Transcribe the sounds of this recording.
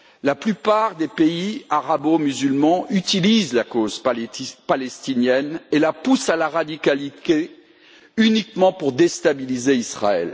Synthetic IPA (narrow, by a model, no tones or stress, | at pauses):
laplypaʁd̪epeiaʁabomyzylmɑ̃yt̪ilizlakozpalɛst̪injɛnelapusalaʁad̪ikalit̪e | ynikmɑ̃puʁd̪est̪abilizeisχa̰ɛ̰l